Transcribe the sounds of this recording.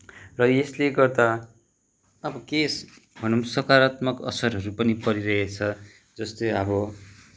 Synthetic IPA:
rʌesleɡʌrd̪a | ʌbʌkes | bʱʌnunsʌkaɾat̪mʌkʌ̰sʌɾɦʌɾupʌnipʌɾiɾʌɦet͡sʰʌ | d͡zʌst̪ojʌbʌ

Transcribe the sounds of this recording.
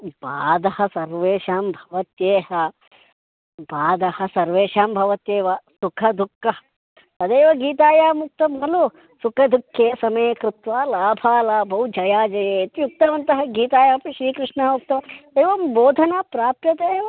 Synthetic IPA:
baːd̪ɐhɐsɐɾʋeːʃaːmbʱɐʋɐt̪jeːɦɐ | baːd̪ɐhɐ̆sɐɾʋeːʃaːmbʱɐʋɐt̪eːʋɐsukʰɐd̪ʱukːɐ | ɐd̪eːʋɐɡiːt̪aːjaːmuk̚t̪ɐmɐlu | sukʰɐd̪ʱukʰjeːsɐmɐjekɾɪt̪ʋaːlaːbʱaːlaːbʱɐɦud͡ʒɐjaːd͡ʒɐjeːt̪ijuk̚t̪ɐʋɐnt̪ɐɦɐ̆ɡiːt̪aːjaːpiʃɾiːkɾɪʂɳɐmuk̚t̪ɐʋɐeːʋɐmboːd̪ʱɐnaːpɾaːpjɐt̪eːʋɐ

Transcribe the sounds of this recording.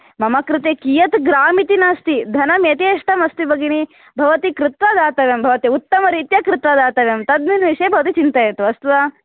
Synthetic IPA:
mɐmɐkɾɨt̪ekijɐt̪ɡɾaːmit̪inaːst̪id̪ʱɐnɐmet̪eɐʂʈɐmɐst̪ibɐɡini | bʱɐʋɐt̪ikɾut̪ʋɐd̪aːt̪ɐʋjɐmbʱɐʋɐt̪iut̪ːɐmɐɾiːt̪jɐkɾɪt̪ʋɐd̪aːt̪ɐʋjɐmt̪ɐd̪minʋiʃɐbʱɐʋɐt̪it͡ʃint̪ɐjet̪uɐst̪uʋa

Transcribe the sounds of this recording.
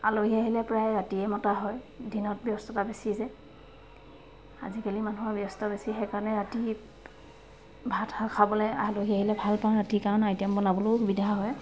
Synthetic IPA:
a̰loɦiaɦilɛpɹajɹatiɛmɔtaɦɔjdinɔt̚bjɔstɔtabesizɛ | a̰zikalimanuɦabjɔstɔbesiɦɛkanɛɹati | bʱatakʰabɔlɛaloɦiaɦilɛbʱalpaɹatikaɔnajtiambɔnabɔloxubidʱaɦɔj

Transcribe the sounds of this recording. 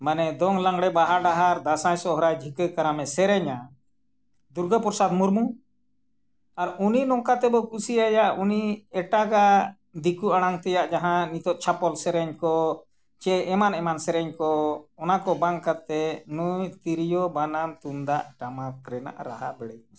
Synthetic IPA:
manɛd̪ɔŋlaŋɡɽɛbaɦaɖaɦaɾd̪asajsɔɦɔɾajd͡ʒʱikəjkaɾamɛsɛɾɛɲa | d̪uɾɡəpɔɾsad̪muɾmu | aɾuninɔŋkat̪ɛbɔkusiajaʔuniɛʈaɡa | d̪ikuaɽ̃aŋt̪ɛjaʔd͡ʒaɦãnit̪ɔʔ̪̚t͡ʃʰapɔlsɛɾɛɲkɔ | t͡ʃɛɛmanɛmansɛɾɛɲkɔːnakɔbaŋkat̪ɛnujt̪iɾijɔbanamt̪und̪aʔʈamakɾɛna̰ʔɾaɦabɛɽɛj

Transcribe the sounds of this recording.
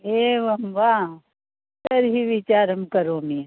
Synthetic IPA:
eːʋɐmʋa | sɐɾɦiʋit͡ʃaːɾəmkɐɾoːme

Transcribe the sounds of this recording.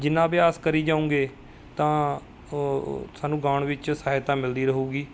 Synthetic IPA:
d͡ʒɪnãːbɪjaːskəɾiːd͡ʒãːũːɡeː | t̪ãː | saːnũːɡaːɳʋɪt͡ʃsaːɦɪt̪ãːmɪld̪iːɾəɦuːɡiː

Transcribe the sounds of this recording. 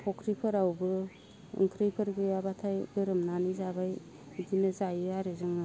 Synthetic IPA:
pʰɔkʰɾipʰɯɾawbɯ | ɯ̰ŋkʰɾijpʰɯɾɡɯabatʰajɡɯɾɯmnanizabaj | dinɯzajɯaɾɯzɯŋɯ

